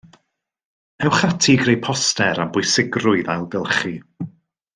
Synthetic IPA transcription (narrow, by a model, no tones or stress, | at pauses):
ɛwχatʰiɡrejpʰɔstɛɾambʊjsɪɡrʊɨðajlˠdɪlˠχi